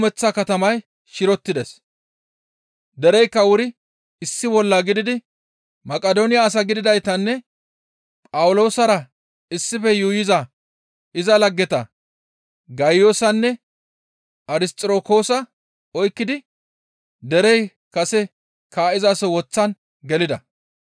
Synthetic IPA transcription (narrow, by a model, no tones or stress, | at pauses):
mɛt͡sːɐkɐt̪ɐmɐj | ʃɪɾɔt̪ːɪd̪ɛs | d̪ɛɾɛjkːɐwʊɾɪ | ɪsːɪbɔlːɐɡɪd̪ɪd̪ɪ | mɐkʼɐd̪onɪjaːs̬ɐɡɪd̪ɪd̪ɐjt̪ɐnːɛ | pʼɐwʊlo̞ːsɐɾɐ | ɪsːɪfɛjujɪzɐ | ɪzɐlɐɡːɛt̪ɐ | ɡɐjo̞ːsɐnːɛ | ɐɾɪst̪ʼɪɾoːko̞ːsɐ | ɔjkːɪd̪ɪ | d̪ɛɾɛj | kɐsɛ | kaːʔɪzaːsɔwɔt͡sːɐn | ɡɛlɪd̪ɐ